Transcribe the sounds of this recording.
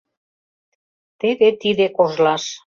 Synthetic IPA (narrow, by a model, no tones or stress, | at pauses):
t̪eβet̪iðekoʒlɑʃ